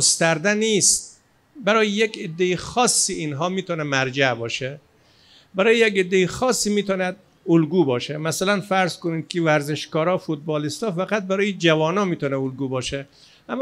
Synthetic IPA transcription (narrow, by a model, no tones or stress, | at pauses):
st̪æɾd̪æniːst̪̚ | bæɾɒːjejeked̪ːejixɒːsːiʔinɦɒːmiːt̪ɒːnɛmæɾd͡ʒæbɒːʃe | bæɾɒːjejeked̪ːejixɒːsːiːmiːt̪ʰɒːnæd̪̚ | olɡuːbɒːʃemæsælænfæɾzkoniːd̪̚kʰevæɾzeʃkɒːɾɒːfut̪̚bɒːlist̪ɒːfæɡæt̪̚bæɾɒːjed͡ʒævɒːnɒːmiːt̪ʰɔːnɛolɡuːbɒːʃɛ | ʔæmː